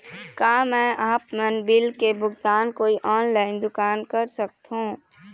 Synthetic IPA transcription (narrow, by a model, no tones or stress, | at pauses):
kaːmɛ̃ːaːpmənbɪlkebʱʊɡt̪aːnkoːiʔɔːnlaːɪnd̪ʊkaːnkəɾsək̚t̪ɦũː